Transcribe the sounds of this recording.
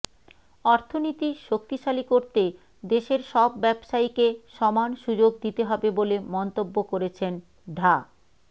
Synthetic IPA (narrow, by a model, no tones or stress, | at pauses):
ɔɾt̪ʰonit̪iʃok̚t̪iʃalikoɾt̪e | d̪eʃeɾʃɔbːɛbʃaikeʃɔmanʃud͡ʑoɡd̪it̪eɦɔbebolemɔnt̪obːokoɾet͡ɕʰen | ɖʱa